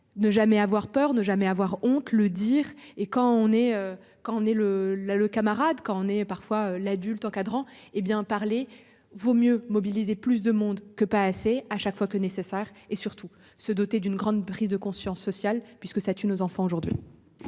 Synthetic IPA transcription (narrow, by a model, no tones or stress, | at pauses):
nəʒamɛavwaʁpœʁnəʒamɛavwaʁɔ̃t̪ləd̪iʁekɑ̃ɔ̃nɛø | kɑ̃ɔ̃nɛləlaləkamaʁad̪kɑ̃ɔ̃nɛpaʁfwaølad̪ylt̪ɑ̃kad̪ʁɑ̃ebjɛ̃paʁle | vomjømɔbilizeplys̬d̪əmɔ̃d̪kəpaːseaʃakfwakənesesɛːʁesyʁt̪ʰu | səd̪ot̪ed̪ynɡʁɑ̃d̪pχizd̪əkɔ̃sjɑ̃sːɔsjalpɥiskəsat̪ynozɑ̃fɑ̃oʒuʁd̪ɥḭ